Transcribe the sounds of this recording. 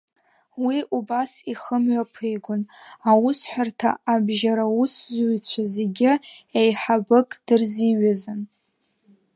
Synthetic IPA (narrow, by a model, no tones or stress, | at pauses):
wiʔubasiχəmʕʷᶣapʰɨjɡʷʊnawusħʷᶣartʰa̰abʒaɾauszt͡ɕʷʰaze̞ɡʲɪejħabɨkʼd̥ɨrziɥazɨn